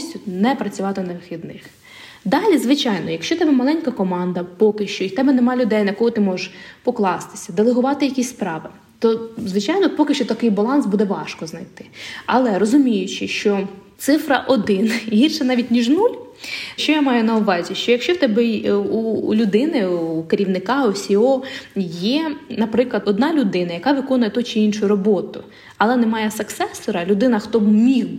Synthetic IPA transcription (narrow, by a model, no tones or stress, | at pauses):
sʲtʲʊnɛpɾɐt͡sʲʊʋɑt̪ɪnɐʋxʲid̪nɪx | d̪ɑlʲizʋɪt͡ʃɑjnɔjɐkʃt͡ʃɔt̪ɛbɛmɐlˠɛnʲkɐkɔmɑnd̪ɐpɔkɪʃt͡ʃɔt̪ɛbɛnemɑlʲʊd̪ɛjnɐkɔɦɔt̪ɪmɔʒeʃpɔklˠɑst̪ɪ̥sʲɐd̪elˠeɦʊʋɑt̪ɪjɐkʲisʲspɾɑʋɪ | t̪ɔzʋɪt͡ʃɑjnɔpɔkɪʃt͡ʃɔt̪ɐkɪjbɐlˠɑnsbud̪ɛʋɑʃkɔznɐjt̪ɪ̥ɐlˠɛɾɔzʊmʲijʊt͡ʃɪʃt͡ʃɔt̪sɪfɾɐʔɔd̪ɪnɦirʃɛnɑʋʲit̚ʲnʲiʒnulʲ | ʃt͡ʃɔjamɑjʊnɐʊʋɑzʲiʃt͡ʃɔjɐkʃt͡ʃɔwt̪ɛbɛulʲʊd̪ɪnɪukeɾʲiʋnɪkɑɔsʲiɔjɛnɐpɾɪklˠɐd̪ɔd̪nɑlʲʊd̪ɪnɐjɐkɑʋɪkɔnʊjɛt̪ɔt͡ʃɪinʃʊjʊɾɔbɔt̪ʊ | ɐlˠɛnɛmɑjɛsɐksɛsɔɾɐlʲʊd̪ɪnɐxt̪ɔbmʲih